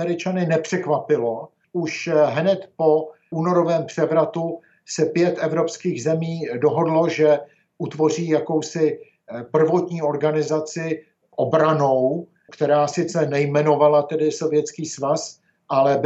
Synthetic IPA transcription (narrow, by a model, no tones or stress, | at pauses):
ɛɾɪt͡ʃanɪnɛpr̝̥ɛkvapɪlo̞ | ʔuʃɦnɛt̪po̞ʔuːno̞ɾo̞vɛːmpr̝̥ɛvɾat̪u | sɛpjɛt̪ʔɛvɾo̞pskiːɣzɛmiːdoɦo̞dlo̞ʒɛ | ʔut̪vo̞r̝iːjako̞wsɪ | pr̩vo̞t̪ɲiːo̞ɾɡanɪzat͡sɪ | ʔobɾano̞w | kt̪ɛɾaːsɪt͡sɛnɛjmɛno̞valat̪ɛdɪso̞vjɛt͡skiːsvas | ʔalɛb